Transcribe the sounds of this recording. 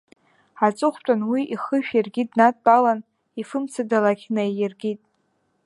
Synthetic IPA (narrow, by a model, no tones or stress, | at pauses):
at͡sʼɨχʷtʼanwiʔiχəʃᶣjarɡʲidnatʼpʼalan | ifɨmt͡sʰadalakʲʰnajjarɡʲitʼ